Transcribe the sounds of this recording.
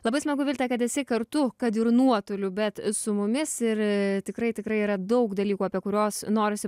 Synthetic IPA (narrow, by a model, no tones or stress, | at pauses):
lˠɐbɐɪsmɐɡʊʋʲɪlʲt̪ʲɐkɐt̪ɛsʲɛɪkɐɾt̪ʊkɐt̪ɪɾnuɔt̪olʲʊbʲɛt̪sʊmʊmʲɪsɪɾt̪ʲɪkɾɐɪt̪ʲɪkɾɐɪiːɾɐd̪ɐʊkd̪ɐlʲiːkuːɐpʲiɛkʊɾʲoːsnoːɾʲɪsʲɪ